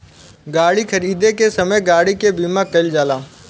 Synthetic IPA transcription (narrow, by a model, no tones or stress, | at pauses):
ɡaːɽikʰɐɾiːd̪ekesɐməjɡaːɽikebiːmakɐld͡ʒaːlaː